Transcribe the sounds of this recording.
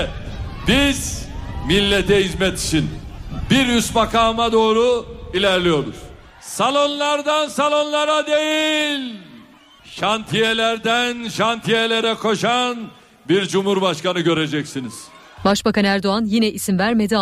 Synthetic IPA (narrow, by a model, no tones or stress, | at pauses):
biz̥milʲːet̪ʰɛhizmɛt̪ʰi̥t͡ʃʰinbiɾjysbakʰaːmad̪o̞ːɾuilʲæɾlʲijo̞ɾṵz̥ | salˠo̞nlˠaɾd̪ansalˠo̞nlˠaɾad̪e̞jilʲ | ʃant̪ʰijelʲæɾd̪ænʃant̪ʰijelʲe̞ɾɛkʰo̞ʃan | biɾd͡ʒumhuɾbaʃkanɯɟø̞ɾe̞d͡ʒɛcsiniz̥ | baʃbakʰanɯæɾd̪o̞anjinɛʔisimvæɾme̞d̪i